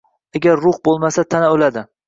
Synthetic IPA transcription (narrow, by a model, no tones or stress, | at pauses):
aɡʲaɾːʊχbolˠmasat̪ʰanaolad̪ɪ